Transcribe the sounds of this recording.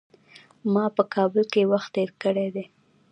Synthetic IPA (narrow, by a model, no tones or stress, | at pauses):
mɑpəkʰɑbəlkewaxt̪ːeɾkəɽed̪e